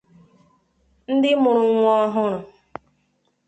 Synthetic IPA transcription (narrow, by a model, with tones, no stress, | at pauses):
n̩˦dɪ˦mʊ˨ɾʊ˨ŋʷ˦ɔ˦ɦʊ˦ɾʊ˨